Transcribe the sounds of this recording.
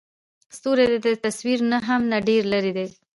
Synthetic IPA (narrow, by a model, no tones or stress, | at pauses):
st̪oɾed̪ed̪ət̪aswiɾnaɦamnaɖeɾlaɾid̪e